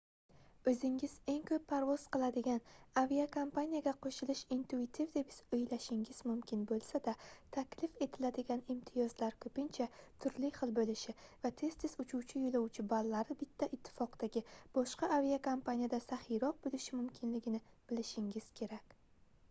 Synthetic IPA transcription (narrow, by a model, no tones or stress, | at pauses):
ɵzɪŋɪz̥e̞ŋkʲʰɵpʰːaɾvɒz̥qɨlˠad̪ɪɡʲanaviakʰompʰanʲijaɡʲaqʰoʃɪlɪʃint̪ʰuit̪ʰivd̪e̞pɪz̥ɵjlaʃɪŋʲɪzmʊmkʲʰɪnbolˠsad̪at̪ʰakʲʰlɪfe̞t̪ʰɪlad̪ɪɡʲanɪmt̪ʰɪjɒzlaɾkʰɵpɪnt͡ʃʰat̪ʰʊɾlɪχɨlˠbolɪʃɪvat̪ʰe̞st̪ʰɪzʊt͡ʃʰuwt͡ʃʰɪjolˠawt͡ʃʰɪbalːaɾɪbɪt̪ʰːaʔɪt̪ʰːɪ̥fɒqd̪t̪aɡʲɪb̥ɒʃqɑaviakʰompʰanijad̪asaχɪɾɒq̚bolɪʃɪmʊmkʲʰɪnlɪɡʲɪnɪb̥ɪlɪʃɪŋʲɪz̥kʲʰe̞ɾakʲ